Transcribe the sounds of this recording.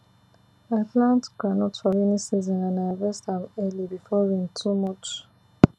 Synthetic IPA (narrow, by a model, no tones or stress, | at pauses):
atlãntɡɹanɔtfɔɹinisizɔ̃nãnavɛstãmɛlibifɔɹĩntʰumɔt͡ʃ